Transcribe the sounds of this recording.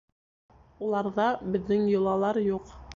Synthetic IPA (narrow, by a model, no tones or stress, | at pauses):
ulˠɑɾðɑbɘ̆ðːɘŋjŏlˠɑlˠɑɾjuq